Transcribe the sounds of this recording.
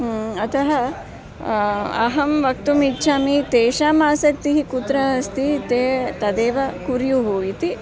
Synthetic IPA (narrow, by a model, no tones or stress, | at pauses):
ɐt̪ʰɐɦɐ | ɐ̰ɦɐmʋɐk̚t̪umitːʃʰaːmit̪eːʃaːmaːsɐk̚t̪iɦikut̪ɾɐɦɐst̪ʰit̪eːt̪ɐd̪eːʋɐkuɾjuɦuit̪i